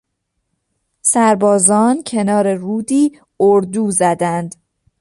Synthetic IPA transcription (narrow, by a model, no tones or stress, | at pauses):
sæɾbɒːzɒːncʰe̞nɒːɾe̞ruːd̪iː | oɾd̪uːzæd̪ænd̪